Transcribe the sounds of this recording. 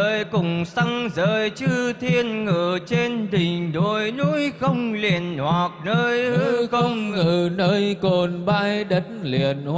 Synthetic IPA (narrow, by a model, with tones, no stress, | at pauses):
əː˧˨˩jkʊ˨˩ŋ͡msa˧ŋzəː˧˨˩jt͡ɕɨ˧t̪ʰi˧ənŋɨ˧˩t͡ɕe˧nɗï˨˩ŋ̟ɗo˧˩jnu˧˥jxə˧wŋ͡mli˨˩ənhwa˨˩k̚nəː˧jhɨ˧xə˧ŋɨ˧˨˩nəː˧jko˨˩nɓaː˧jɗə˨˦ŋli˨˧˩ənh